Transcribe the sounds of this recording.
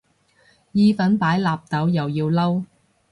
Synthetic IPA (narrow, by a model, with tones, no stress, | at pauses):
jiː˧fɐ˨˥npaː˨˥jlaː˨p̚t̪ɐ˨˥wjɐ˨wjiː˧wlɐ˥w